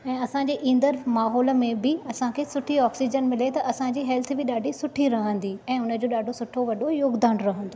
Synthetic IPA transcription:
ɛ̃ːɐsãɲd͡ʑeːʔĩːn̆d̪əɾmaːɦɔːlə̆mẽbɪɐsãkʰeːsʊʈʰiɔːksid͡ʑənmɪlet̪ɐʔɐsãd͡ʑiːɦɛlt̪ʰbɪɗaːɖʱisʊʈʰiɾɐɦə̃nd̪iɛ̃ːʊnə̆d͡ʑoːɗaːɖʱosʊʈʰoʋɐɗʱojoːɡd̪aːɽ̃ɾɐɦə̃nd̪oː

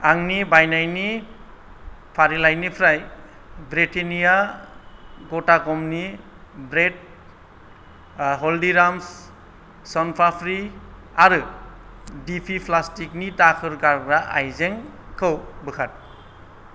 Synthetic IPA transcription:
aŋnibajnajni | pʰaɾilajnipʰɾaj | bɾetenija | ɡɔtakɔmni | bɾed̚ | ɦɔldiɾams | sɔnpʰapʰɾiaɾɯ | dipʰipʰlastiknitakʰɯɾɡaɾɡɾaʔa̰jzeŋkʰɯwbɯkʰat̚

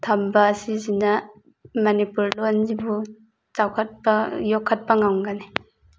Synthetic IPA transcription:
tʰɐmbɐːsizinɐ | mɐnipuɾlonzibu | t͡ʃawkʰɐt̚pɐjokʰːɐt̚pɐŋawŋɡane

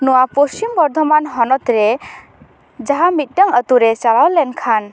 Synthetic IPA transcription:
nuwapost͡ʃimbɔɾd̪ʱɔmanɦɔnɔt̪ɾe | d͡ʒaɦamit̪̚ˀʈaŋət̪uɾet͡ʃaɭawlɛnkʰan

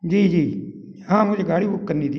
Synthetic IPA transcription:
d͡ʒiːd͡ʒiː | ɦãːmʊ̃d͡ʒeɡaːɽiːbʊkːənːiːd̪

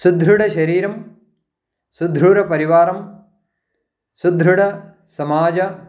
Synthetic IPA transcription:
sud̪ʱɾuɽɐʃɐɾiːɾɐm | sud̪ʱɾuɽɐpɐɾiʋaːɾɐm | sud̪ʱɾuɽɐ | sɐmaːd͡ʒɐ

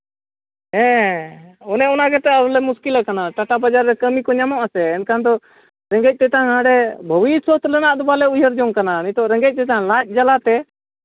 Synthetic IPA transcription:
ɦɛ̃ | ɔnɛɔnaɡɛt̪ɛalɛmuskilakanaʈaʈabad͡ʒaɾːɛkəmikɔɲamɔʔasɛːnkand̪ɔ | ɾɛ̃ŋɡɛc̚ˀt̪ɛt̪aŋɦãɽɛbʱəwiswɔt̪lɛnaʔd̪ubalɛujəɾd͡ʒɔŋkananit̪ɔʔɾɛ̃ŋɡɛc̚ˀt̪ɛt̪alat̪̚ˀd͡ʒalat̪ɛ

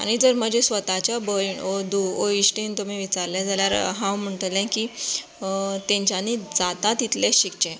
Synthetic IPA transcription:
a̰ɽ̃id͡zəɾm̤əd͡ʑesʋət̪at͡ɕjabəjɳd̪uoiɕʈint̪umiʋit͡saɾljad͡zaljaɾɦãwm̤əɳʈəlɛ̃kiː | t̪ẽɲt͡ɕjanid͡zat̪at̪it̪lɛɕikt͡ɕẽ

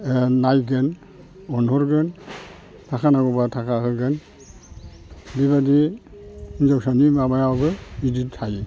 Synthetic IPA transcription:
najɡen | ɔnɦɔɾɡɯn | tʰakʰanaɡɔbatʰakʰahɯɡɯn | diβadi | nzawsanimabajawbɯiditʰaj

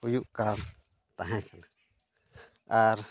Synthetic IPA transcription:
ujuʔka | t̪aɦẽt͡ʃanã | aɾ

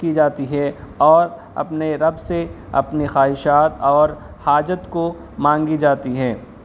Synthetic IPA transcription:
kid͡ʒaːt̪iɦɛɔːɾ | ɐ̰pneɾɐbse | ɐ̰pnixaːɦɪʃaːt̪ɔːɾ | haːd͡ʒət̪ko | mãːŋɡid͡ʒaːt̪iɦɛː

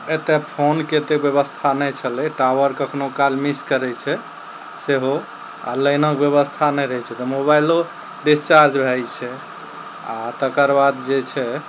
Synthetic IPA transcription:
et̪epʰonket̪ebjeβəst̪ʰanɛjt͡ʃʰəlɛʈaʋəɾkəkʰnokalmiskəɾɛt͡ʃʰɛ | seɦo | a̰ləjnəkbjəβəst̪ʰanɛjɾəɦɛt͡ʃʰɛt̪ɔmobajlo | ɖist͡ʃaɾd͡ʒbʱɛjt͡ʃʰɛ | at̪əkəɾbad̪d͡ʒet͡ʃʰɛ

